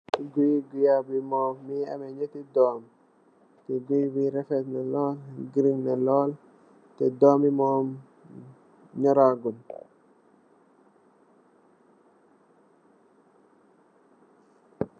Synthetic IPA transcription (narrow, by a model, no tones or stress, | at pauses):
ɡujɡujabimɔmːia̰mɛɲetidɔːm | tɛɡujbiɾɛfɛt̪nɛlɔlɡiɾiŋnɛlɔl | tɛdɔmimɔm | ɲɔɾaɡun